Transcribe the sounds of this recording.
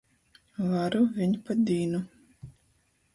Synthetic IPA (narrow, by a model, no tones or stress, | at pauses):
vaɾuvʲiɲpad̪iːnu